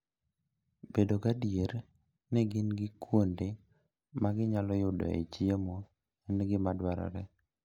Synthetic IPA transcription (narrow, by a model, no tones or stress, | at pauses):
bedokadjeɾ | nɛɡɪnɡɪkwonde | maɡɪɲalɔjʊdɔ̰ḛt͡ʃiemo | ɪnɡɪmadwaɾɔ̰ɾɛ